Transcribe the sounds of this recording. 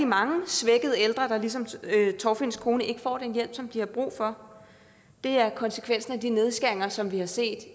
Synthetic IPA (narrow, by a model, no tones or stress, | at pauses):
imɑ̈ŋəsʋeɡ̥əð̞̩ˠeld̥ʁɐd̥ɑ̈lis̬ɒ̽mt͡sʰɒʊfe̝n̰skʰo̝ːnəʔe̝ɡ̥əfɒ̰ːd̥enjel̰b̥sɒ̽md̥ihɑ̈b̥ʁṵːfɒ̽ | d̥e̝æɐkʰɒ̽nsə̥kʰʋen̰sn̩æd̥ine̝ð̞ˠsɡ̥æeŋɐsɒ̽mʋihɑ̈se̝̰ːd̥